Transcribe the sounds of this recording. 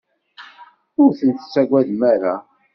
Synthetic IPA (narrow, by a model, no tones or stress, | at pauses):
ʊɾθənt̪ə̥t͡sːæɡʷæðmæɾæ